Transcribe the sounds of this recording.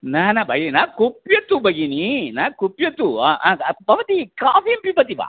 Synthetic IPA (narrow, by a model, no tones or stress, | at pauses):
naːnɐbʱɐjinaːkupjɐt̪ːubɐɡininaːkupjɐt̪uaʔapɐʋɐt̪ikaːpiɐmpipɐt̪iba̰ː